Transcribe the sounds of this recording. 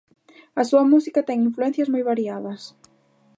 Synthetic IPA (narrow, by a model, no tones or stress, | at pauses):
ɐsuɐmusikɐt̪ɛŋiɱfluɛ̃n̟θjɐzmojβaɾiaðɐs